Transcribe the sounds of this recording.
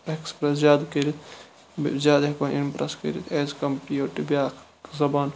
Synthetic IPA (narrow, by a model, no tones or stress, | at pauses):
ekspɾɐszjaːd̪kiɾit̪ | zʲjaːd̪ekonʔimpɾɐskḭɾit̪ʰeːzkɐmpioːʈibjaːkʰ | zɐbaːn